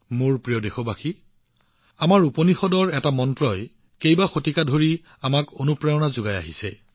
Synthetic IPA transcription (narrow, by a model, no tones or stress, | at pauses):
mʊɹpɹijɔdexobaxi | amaɹuponixɔdɔɹɛtamɔntɹɔj | kejbaxotikadʱoɹi | amakonupɹajɔnazʊɡaja̰ɦisɛ̰